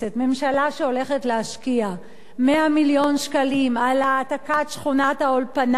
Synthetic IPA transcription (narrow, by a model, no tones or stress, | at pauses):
etme̞mʃalaʃeo̞le̞χet̪leaʃkia | meamiljo̞nʃkalimalaːtakatʃχunathaolpan